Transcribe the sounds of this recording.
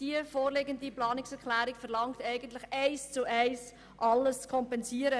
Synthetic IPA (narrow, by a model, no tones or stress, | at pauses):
d̥iəfoːɾleɡəndiplɑːnɪksɛɾklæːɾikfɛɾlɑŋktɛɪɡəntlɪxæɪst͡suʔɛɪs | ʔɑlːəst͡skʰɔmpɛnsiəɾə